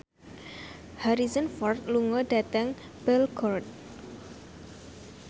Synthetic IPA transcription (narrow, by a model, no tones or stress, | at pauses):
haɾizənfɔrt̪̚luŋɔdat̪aŋ | b̥ɛlkʰɔrt̪̚